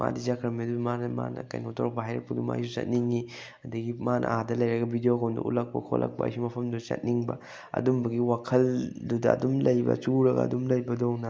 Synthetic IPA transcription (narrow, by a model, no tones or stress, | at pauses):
mʔa̰did͡ʒakʰɾɐmidubimanɐma̰nɐ̰ka̰jnɐutʰoɾɐk̚pɐɦajɾɐ̰k̚pɐduma̰jsut͡ʃɐ̰t̚niŋi | ɐdɐɡimanʔɐ̰hadɐlɐjɾɐɡɐbʱidioɡondṵʔṵlɐk̚pɐ̰kʰo̰lʔɐ̰k̚pɐ̰ːjsumɐpʰɐmdut͡ʃɐ̰t̚niŋbɐ̰ | ɐ̰dumbɐɡiwakʰɐldudɐ̰ɐ̰dumlɐjbɐ̰t͡ʃuɾɐɡɐ̰ɐ̰dumlɐjbɐdownɐ